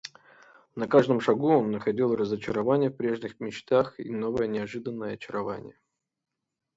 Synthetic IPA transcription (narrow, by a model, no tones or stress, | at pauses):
nɐkaʐd̪əmʂɐɡuonːəxɐdʲilˠrəzət͡ɕɪɾɐvanʲɪjəfpɾʲe̞ʐnʲɪxmʲɪt͡ɕt̪axḭno̞vəjənʲɪɐʐɨd̪ənːəjəɐt͡ɕɪɾɐva̰nʲɪ̰jə